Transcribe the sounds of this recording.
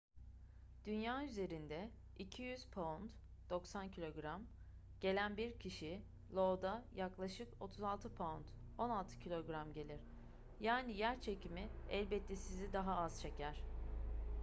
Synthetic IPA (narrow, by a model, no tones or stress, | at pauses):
d̪̥ynjaːyze̞ɾind̪ɛ | icʰijyz̥pʰoont̪ | d̪̥o̞ksancʰilʲo̞ɡɾam | ɟ̥e̞lʲænbiɾcʰiʃi | lˠo̞d̪ajaklˠaʃɯko̞t̪ʰuzalˠt̪ʰɯpʰoont̪ | o̞nalˠt̪ʰɯ̥cʰilʲo̞ɡɾamɟe̞lʲiɾ̥ | jaːnijæɾt͡ʃʰe̞cimiɛlʲbɛt̪ʰːɛsizid̪aɦaazt͡ʃʰe̞cʰæɾ̝̥